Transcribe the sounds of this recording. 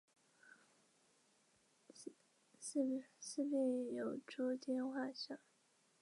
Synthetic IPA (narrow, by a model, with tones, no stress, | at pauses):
ss̩˥˧pi˥˩jo˨˩ʊʈ͡ʂu˥t̪jɛ˥˧nxwa˥˧ɕjɑ˥˩˦